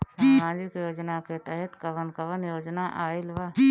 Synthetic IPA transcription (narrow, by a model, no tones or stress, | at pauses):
ɦãːd͡ʒikjoːd͡ʒnaːket̪əɦɛt̪kɐʋənkɐʋənjoːd͡ʒnaːʔaːɪlʋaː